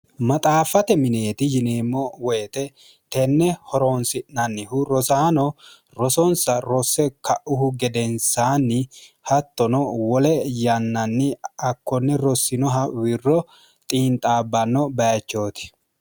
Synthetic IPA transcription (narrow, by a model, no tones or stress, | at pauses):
mɐt̪ʼaːfɐt̪ɛmɪne̞ːt̪ɪjɪneːmːɔwɛjt̪ɛ | t̪ɛnːɛhɔɾonsɪʔnɐnːɪhʊɾɔsaːnɔ | ɾɔsɔnsɐɾɔsːɛkɐʔʊhʊɡɛd̪ɛnsaːnːɪ | hɐt̪ːɔnɔwɔlɛjɐnːɐnːɪɐkːɔnːɛɾɔsːɪnɔɦɐwɪrːɔ | t̪ʼiːnt̪ʼaːbːɐnːɔbɐjɐt͡ʃːo̞ːt̪ɪ̥